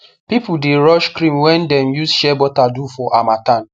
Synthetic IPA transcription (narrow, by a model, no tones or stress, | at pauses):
pipudeɾɔʃkɾĩmwɛ̃ndɛmjusʃɛbɔtadufɔʔamatan